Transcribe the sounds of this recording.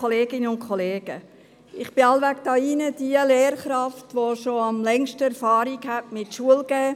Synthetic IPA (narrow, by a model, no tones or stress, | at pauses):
ɔleːɡɪnəʊntkʰɔleːɡ̥ə | ɪχb̥ɪɑlʋæɡd̥ɑːinədiəleːɾχɾɑftʋoʃoɑmlɛŋʃtəɛɾfɑːɾikhætmɪtʃuəlɡ̥ɛː